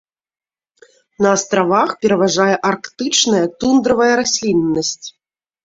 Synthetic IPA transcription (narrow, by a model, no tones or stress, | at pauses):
nɐːst̪ɾavaxpʲɛɾɐvaʐajɛʔarkt̪ɨt͡ʂnɐjɐt̪und̪ɾɐvɐjɐɾasʲlʲinnːɐsʲt͡sʲ